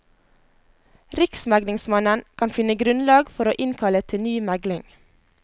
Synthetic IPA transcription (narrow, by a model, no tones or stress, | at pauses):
ɾɪksmæɡlɪŋsmɑnənkʰɑnfɪnəɡɾʉnlɑːɡfɔɾoːʔɪnkʰɑlət̪ʰɪnyːmæɡlɪŋ